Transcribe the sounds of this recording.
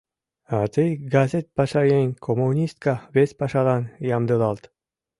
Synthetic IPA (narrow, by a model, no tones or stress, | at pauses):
at̪ejɡazʲet̪̚pɑʃɑjeŋʲkʰomunʲist̪̚kaβespɑʃɑlɑnjɑmd̪ɨlˠɑlˠt̪